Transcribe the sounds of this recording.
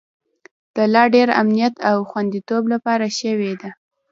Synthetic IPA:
d̪̥əlɑɖeɾa̰mnijat̪awxwand̪it̪oblapɑɾaʃəwed̪a

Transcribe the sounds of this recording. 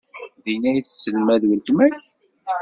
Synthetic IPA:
ðinæjθsːəlmæðwəlt̪mæç

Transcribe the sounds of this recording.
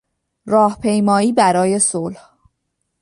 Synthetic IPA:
rɒːhpʰe̞jmɒːiːbæɾɒːje̞solh

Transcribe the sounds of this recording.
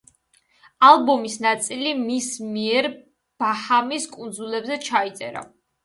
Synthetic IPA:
alˠbɔmisnat̪sʼilimismiɛɾ | b̥ahamiskʼund̪zulɛbzɛt͡ʃʰait̪sʼɛ̰ɾa̰

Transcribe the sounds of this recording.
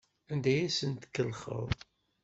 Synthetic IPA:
ænd̪æjæsənt̪kːəlχə̰ðˤ

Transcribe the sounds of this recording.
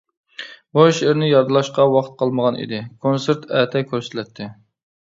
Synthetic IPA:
boʃɪɾnɪjɑɾd̪ɨlˠɑʃqɑwɑχt̪̚qʰɑlˠməʁɑnḭd̪ɪkʰonseɾt̪ʰɛːt̪ʰɛkʲʰøɾsɪt̪ʰlɛt̪ʰːɪ

